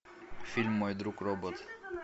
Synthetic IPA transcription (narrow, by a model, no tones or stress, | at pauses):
fʲilʲmːɔjd̪ɾukɾɔbɔt̪